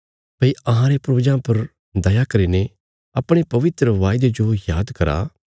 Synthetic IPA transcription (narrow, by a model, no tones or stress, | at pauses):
pɐiɐɦãɾepɾoːd͡ʒãpɐɾ | d̪ɐjakɐɾiːne | ɐpɽ̃epɐʋɪt̪ɾəʋaːɪd̪ed͡ʒojaːd̪kɐɾa̰ː